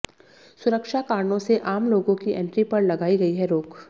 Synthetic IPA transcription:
sʊɾəkʃakaːɾɳõseʔaːmloːɡõkiʔɛ̃ɳʈɾipɐɾlɐɡaːiɡɐiɦɛɾoːk

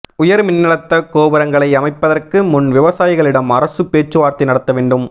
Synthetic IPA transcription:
ʊjɐɾmɪnːɪɽɐt̪ːɐkoːbɪɾɐŋɡɐɭɐɪɐmɐɪpːɐðɐrkɯmʊnʋɪʋɐsaːjɪɣɐɭɪɽɐmɐɾɐsɯpeːt͡ʃːɯʋaːɾt̪ːɪnɐɽɐt̪ːɐʋeːɳɖɯm

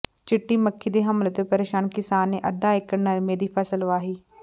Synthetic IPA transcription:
t͡ʃɪʈːiːməkʰːiːd̪eːɦəmlət̪eːpəɾeːʃaːnkɪsaːnːeːʔəd̪ːaːɪknəɾmeːd̪iːpʰəsəlʋaːɦiː

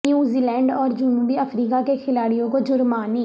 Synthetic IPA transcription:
juːziːlɛ̃ːɳɖɔːɾd͡ʒʊnuːbiːəpʰɾiːkaːkekʰɪlaːɽijõːkoːd͡ʒʊɾmaːniː

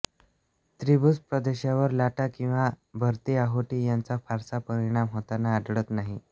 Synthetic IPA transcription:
t̪ɾibut͡spɾəd̪eɕjaʋəɾlaʈakĩw̃ʋabʱəɾt̪iaɦoʈijant͡safaɾsapəɾiɽ̃amɦot̪anaːɖɭət̪naɦi

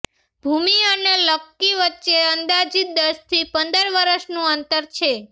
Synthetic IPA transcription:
bʱumiəneləkːiʋətːʃeənd̪ad͡ʒid̪əst̪ʰipənd̪əɾʋəɾəʃnũənt̪əɾt͡ʃʰe

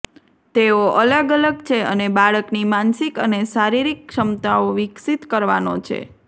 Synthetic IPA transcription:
t̪eoʔələɡələɡt͡ʃʰeənebaɭəknimansikənesaɾiɾikʂəmt̪aoʋɪksit̪kəɾʋano̰t͡ʃʰḛ

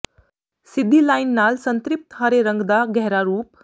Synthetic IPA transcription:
sid̪ʱːilajnːalsənt̪ɾip̚t̪ɦəɾeɾəŋɡd̪aɡɛɦɾaɾuːp

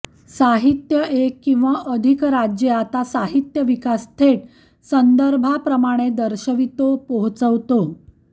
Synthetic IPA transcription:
saɦit̪jəʔekːĩw̃ʋaʔəd̪ʱikɾad͡ʑjeat̪asaɦit̪jəʋikast̪ʰeʈ̚ | sənd̪əɾbʱapɾəmaɽ̃ed̪əɾɕəʋit̪opoɦt͡səʋt̪o

